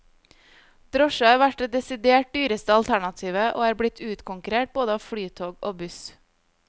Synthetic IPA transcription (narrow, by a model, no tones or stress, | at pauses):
d̪̥ɾɔʃɑəʋæʈ̚d̪eːd̪ɛsɪd̪eːʈ̚d̪yːɾəst̪əɑlt̪ʰæɳɑt̪ʰiːʋəʔo̰ːæːɾbɽɪt̪ʰʉːt̪kʰʊŋkʉɾeːʈ̚boːd̪əɑːʋfɽyːt̪ʰoːɡoːbʉs